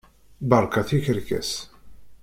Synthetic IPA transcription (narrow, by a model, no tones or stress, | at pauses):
bəɾˤkɑθiçəɾkæ̰s